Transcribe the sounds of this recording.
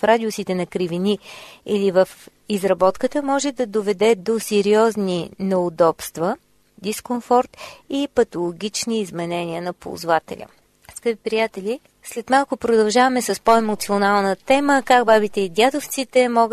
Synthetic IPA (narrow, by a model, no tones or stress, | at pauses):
fɾad̪iosit̪ɛnɐkɾiviniilivəf | izɾɐbɔt̪kət̪əmɔʒɛd̪ɐd̪ovɛd̪ɛd̪osɛɾiɔzninɛʊd̪ɔpst̪və | d̪iskonfɔɾt̪ipɐt̪olˠoɡʲit͡ʃniːzmɛnɛniənɐpo̰ːzvat̪ɛ̰lʲʔə̰ | skəpipɾijat̪ɛli | slɛt̪malˠkʊpɾod̪ɐlˠʒavɐmɛsɐspoɛmot̪sionalˠnət̪ɛməkaɡbabit̪ɛid̪ʲjad̪oft̪sit̪ɛmɔɡ